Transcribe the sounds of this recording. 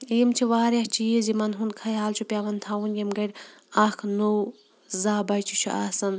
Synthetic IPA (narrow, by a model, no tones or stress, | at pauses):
iːmt͡ʃʰiʋaːɾɐt͡ʃʰijizimɐnɦunkʰɐjaːlt͡ʃʰupʲjaːʋɐnt̪ʰaːunjimɡɐɽʲakʰnu | zaːbɐjt͡ʃʰit͡ʃʰuʔaːsɐn